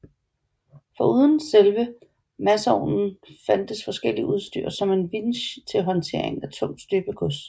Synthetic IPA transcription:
fɒ̽uð̞ˠn̩selʋə | mæsəɒʊ̰nn̩fæn̰d̥əsfɒ̽sɡ̥el̰iʔuð̞ˠsd̥y̰ɐ̰sɒ̽me̝nʋinɕt͡sʰe̝lɦɒ̽nt͡sʰe̝̰ɐeŋæt͡sʰɔ̽m̰̥sd̥øɡ̥əkʰɔs

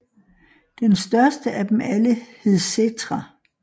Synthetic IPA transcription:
d̥ensd̥ɶɐsd̥əʔæd̥emæləhe̝ð̞̩ˠset͡sʰʁɑ

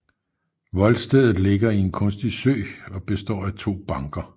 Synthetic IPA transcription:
ʋɒ̽lsd̥eð̰ˠð̩ˠle̝ɡ̥ɐie̝nkʰɔ̽nsd̥isø̰ːɒ̽b̥e̝sd̥ɒ̰ːæt͡sʰo̝̰ːb̥ɑ̈ŋɡ̥ɐ

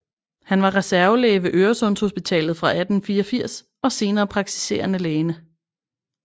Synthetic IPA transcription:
hænʋɑ̈ʁɛsæɐʊleːʋe̝ʔøːɐsɔ̽n̰sho̝sb̥it͡sʰɛ̰ːlð̞̩ˠfʁɑ̈ʔæd̥n̩fiːɒfiɐ̰s | ɒ̽se̝ːnɐːpʰʁɑ̈ɡ̥̚t͡sʰi̥se̝̰ːɐnəleːnə

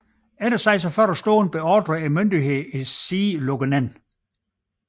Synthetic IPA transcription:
eɾ̥ɐsɑ̈ɪs̬ɒfɶɐɾəsd̥o̰ːn̩b̥e̝ɒːd̥ʁəæmønd̥iɦe̝ðˠisiːloɡ̥ənæn

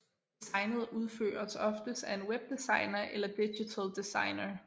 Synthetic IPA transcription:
d̥sɑ̈ɪnð̞̩ˠuð̞ˠfø̰ːɐsɒ̽fd̥əsæe̝nweb̥̚d̥isɑ̈ɪnɐʔelɐd̥iɕit͡sʰəld̥isɑ̈ɪnɐ

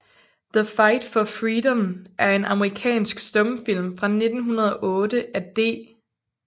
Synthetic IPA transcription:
ðəfɑ̈ɪd̥fɒ̽fʁiːdɔ̽mʔæɐe̝nʔɑ̈məʁikʰɛ̰ːnsɡ̥sd̥ɔ̽mfil̰mfʁɑ̈ne̝d̥n̩ɦunɐð̞ˠɒ̽ʔɔ̽ːd̥əʔæd̥e̝̰ː

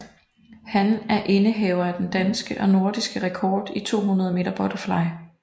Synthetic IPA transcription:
hænæɐʔe̝nəɦɛʊɐæd̥end̥ænsɡ̥əʔɒ̽no̝ɐd̥isɡ̥əʁɛkʰɒːd̥it͡sʰo̝̰ːɦunɐð̞ˠme̝ːdɐb̥ɒ̽d̥əflɑ̈ɪ

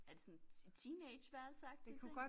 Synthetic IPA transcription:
æɐd̥e̝sɒ̽nt͡sʰiːneɪ̥ɕʋæɐlsɑ̈ɡ̥d̥e̝kʰuɡ̥ɒ̽

